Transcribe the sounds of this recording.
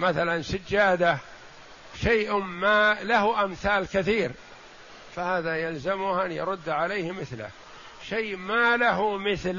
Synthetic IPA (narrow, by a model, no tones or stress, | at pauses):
maθalansad͡ʒːaːd̪a | ʃajʔmalahʔamθaːlkaθiːɾ | fahaːðajalzamʊhʔanjɑɾʊd̪ːʕalejːhmɪθlɪ̰h | ʃeːʔmalaɦumɪθl